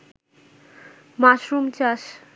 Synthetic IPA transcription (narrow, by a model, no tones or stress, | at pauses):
maʃɾumt͡ɕaʃ